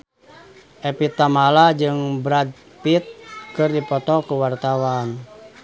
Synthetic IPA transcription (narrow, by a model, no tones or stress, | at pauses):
ʔɛpit̪ːamalad͡ʒɨŋbɾad̚ | pit̪̚kɨrdipɔt̪ɔkuwart̪awan